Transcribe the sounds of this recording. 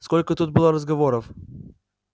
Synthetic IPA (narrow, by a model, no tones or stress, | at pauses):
skɔlkʊt̪ud̪̚bilˠɔɾɐzɡɐvɔɾof